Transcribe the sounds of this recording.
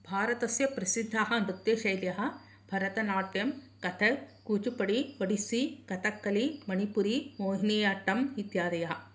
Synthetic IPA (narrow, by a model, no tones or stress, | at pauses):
bʱaːɾɐt̪ɐsjɐpɾɐsid̪ʱːaːɦɐ̆nut̪ːeːʃɐjljɐɦɐ̆ | b̥ʱɐɾɐt̪ɐnaːʈjɐm | kɐt̪ʰɐkuːt͡ʃupɐɽiʋɐɽisikɐt̪ʰɐkːɐlimɐnipuɾimoːɦiniːjaʈːɐmɦit̪jaːd̪ɐjɐɦɐ